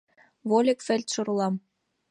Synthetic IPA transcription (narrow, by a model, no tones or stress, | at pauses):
βolʲekfĕlʲt̪ʃŏɾulˠɑm